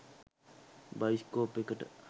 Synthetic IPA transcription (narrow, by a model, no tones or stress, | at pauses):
bajskoːpekəʈ